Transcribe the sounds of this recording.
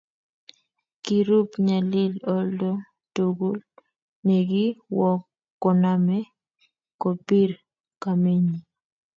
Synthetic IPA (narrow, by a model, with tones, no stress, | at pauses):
ki˨ɾu˦pɲa˨lɪ˦lɔ˦ldo˦ | to˨ɡu˦l | nɛ˨ɡi˦wɔ˦kː | ɔ˨na˦mɛ˦ | ko˨pi˦ɾ | ka˨me˦ɲi˨